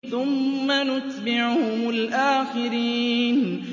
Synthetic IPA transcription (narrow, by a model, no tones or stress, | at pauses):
θʊmːanʊt̪bɪʕhʊmʊlʔaːxɪɾiːn